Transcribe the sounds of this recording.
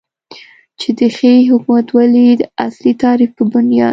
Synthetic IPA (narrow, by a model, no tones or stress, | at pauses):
t͡ʃed̪əxeɦʊkumat̪walid̪əaslit̪ɑɾifpəbʊnjɑ̰d̪